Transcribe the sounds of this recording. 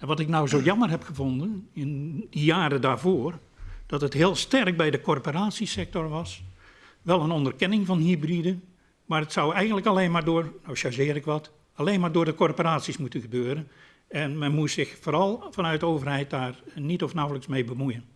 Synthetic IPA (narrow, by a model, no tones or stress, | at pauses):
ɛnʋɑtɪknawzoːjɑmərɦɛpxəvondənɪndijaːɾədaːrvoːr | d̥ɔtəthɪəlˠstɛrk̚bɛjdəkɔrporaːtsisɛk̚tɔrʋɑs | ʋɛlˠənɔndərkɪnɪŋvɔnhibridən | maːrətsawɛjɣəndləkalejnmaːrdoːrnawʃaʒɪːɾɪkʋɔt | alejnmaːrdʊːrdəkorpoɾaːtsismutənɣəbøːɾən | ɛnmɛnmutsɪxfoːɾɑlˠfɑnœɥt̚dəoːvərhɛjt̚daːrnitɔfnawləksmejbəmujən